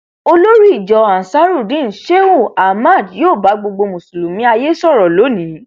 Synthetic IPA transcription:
o˧lo˦ɾi˦i˦˨d͡ʒɔ˨a˨sa˨˦ɾu˦˨dĩ˦˨ʃe˦wu˦˨a˨ma˦˨djoː˦˨ba˨˧˦ɡ͡bo˧ɡ͡bo˧mũ˨su˨lu˨mĩ˨˦a˧je˦sɔ˦˨ɾɔ˨lo˨˦nĩ˨˦

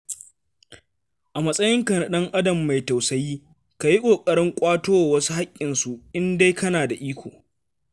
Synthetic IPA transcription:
ʔa˨mɐ˦sʼɐ˦jɪ˦ŋkɐ˨nɐ˨ɗɐ˦ŋʔa˦dɐ˨mːa˨jta˨wsɐ˦jiː˦ | ka˨ji˦kʷʼoː˨kʼɐ˦ɽɪ˦ŋkʷʼaː˦toː˦wa˨wɐ˦su˦ha˦kʲʼːɪ˨nsu˨ʔɪ˦nda˦jkɐ˦naː˨da˨ʔiː˦kʷo̰ː˨

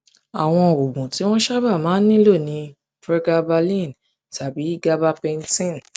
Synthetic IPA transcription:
a˨w̃ɔ̃˧˨o˨bũ˨ti˨˦w̃ɔ̃˦ʃa˦ba˦˨mãː˨˦n˦nĩ˦lo˦˨nĩ˧˦ | fɾɛ˦ɡa˧ba˧lĩ˦˨n | ta˨bi˨˦i˦ɡa˦ba˦pɛ˧n˦tĩ˦˨n˨

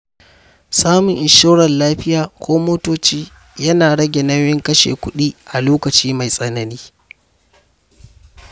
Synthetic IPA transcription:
saː˦mʊ˨ŋʔɪ˨ʃo˦wɽɐ˨nlaː˦ɸɪ˦jaː˨kʷoː˦moː˦toː˦t͡ʃiː˦ | jɐ˦naː˨ɽɐ˦ɡʲe˨nɐ˦jɪ˦ŋkɐ˦ʃḛː˨kʷʊ˦ɗiː˦ʔa˨loː˦kɐ˨t͡ʃiː˦ma˨jsʼɐ˦nɐ˨niː˦

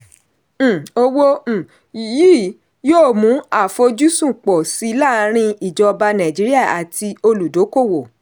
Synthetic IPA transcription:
o˧wõ˦˨ | jiː˦˨ | joː˦˨mũ˨˦a˦˨fo˧d͡ʒu˦sũ˦˨k͡pɔ˨si˨˦la˦˨˦ɾ̃ĩ˧i˨d͡ʒɔ˧ba˧nã˨d͡ʒi˨˦ɾi˦a˦˨a˨ti˧o˧lu˨do˨˦ko˦˨wo˨

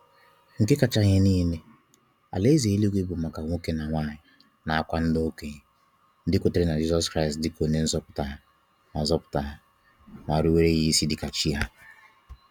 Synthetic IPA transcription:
ŋ̩˨kɪ˦ka˨t͡ʃa˨ɲe˨niː˦le˦ | a̰˨le˦ze˨˦li˦ɡʷe˦bʊ˨ma˨ka˨ŋʷo˦ke˦na˨ŋʷaː˦˨ɲɪ˨ | na˨a˨kʷa˦n̩˦do˦ke˦ɲ˨˦ | n̩˦dɪ˦kʊ˨te˦ɾe˦na˨d͡ʒi˦zɔ˦skɾa˦ɪ˨stdɪ˦ko˨ne˨n̩˦zɔ˦pʊ̥˨ta˨ɦa˨ | na˨zɔ˦pʊ̥˨ta˨ɦa˨ | ŋʷa˨ɾi˦we˦ɾe˦ɣi˦si˦dɪ˨ka˨t͡ʃi˦a˦

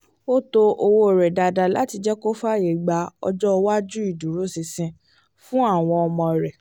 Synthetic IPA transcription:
o˦to˧ʔo˧wo˧˨ɾɛ˨da˧da˧la˨˦ti˧d͡ʒɛ˦ko˦fa˦˨je˨ɡ͡ba˧ɔ̰˧d͡ʒɔ˦˧wa˦d͡ʒu˦i˦˨dũ˨˦ɾu˨˦sĩ˧sĩ˧ | fũ˦a˦˨w̃ɔ̃˧ɔ˧mɔ̃˧˨ɾɛ˨

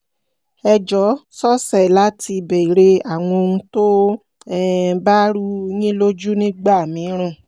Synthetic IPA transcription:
ɛ˧d͡ʒɔ˨˦sɔ˦sɛ˦˨la˦ti˧be˨ɾe˧a˨w̃ɔ̃˧ũ˧to˦ | ɛ˦ba˦ɾu˦ɲĩ˦lo˦d͡ʒu˦nĩ˦ɡ͡ba˦˨mĩ˨˦ɾ̃ã˦˨

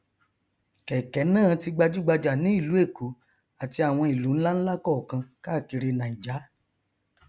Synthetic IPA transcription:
kɛ˨kɛ˨˦nãː˦˨ti˧ɡ͡ba˧d͡ʒu˦ɡ͡ba˧d͡ʒa˨nĩ˨˦i˦˨lu˨˦e˦˨ku˨˦ | a˨ti˧a˨w̃ɔ̃˧i˨lu˨˦ñ̩˦la˦n̩˦la˦kɔ˦˨kã˧ka˦˨ki˧ɾe˧nã˨i˨d͡ʒa˨˦

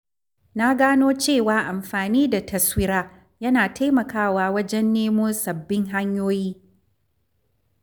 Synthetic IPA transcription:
na˦ɡaː˦noː˦t͡ʃeː˦˨waː˨˦ʔa˨mɸaː˨niː˦da˨tɐ˨swɪ˦ɾaː˦ | jɐ˦naː˨tʰa˦jmɐ˨kaː˦˨waː˨wɐ˦d͡ʒɛ˦nːeː˦mʊ˦sɐ˨bːɪ˦ŋɦa˦ɲjoː˦jiː˦

